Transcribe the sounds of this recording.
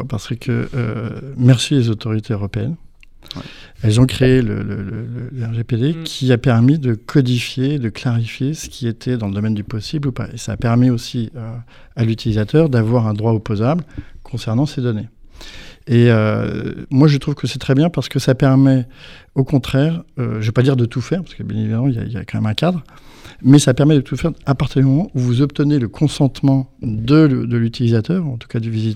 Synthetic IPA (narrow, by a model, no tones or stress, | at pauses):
paʁsəkʰə̰ø̰mɛʁsilezot̪ɔʁit̪ʰeøʁɔpeɛ̰n | ɛlzɔ̃kχeːlə̰lə̰lələlɛʁʒeped̪ekʲʰiapɛʁmid̪əkʰɔd̪ifjeːd̪əklaʁifjesə̥kʲʰiet̪ʰɛd̪ɑ̃ləd̪ɔmɛnd̪ypɔsiblupa̰esaːpɛʁmiosiø | alyt̪ilizat̪œʁd̪avwaʁɛ̃d̪ʁwaopozablkʰɔ̃sɛʁnɑ̃sed̪ɔne | eø | mwaʒət̪χuvkəsɛt̪χɛbjɛ̃paʁsə̥kəsapɛʁmɛ | okɔ̃t̪χɛːʁø̰ʒəvøpad̪iʁd̪ət̪ufɛʁpḁʁsəkəbjɛ̃nevid̪amɑ̃ilja̰ḭja̰kɑ̃mɛ̰mɛ̃kʲad̪ʁ | mɛsapɛʁmɛd̪ət̪ufɛʁapaʁt̪iʁd̪ymɔmɑ̃ʔuvuzɔp̚t̪əneləkʰɔ̃sɑ̃t̪mɑ̃d̪əd̪əlyt̪ilizat̪œʁuɑ̃t̪u̥kad̪yvizit̪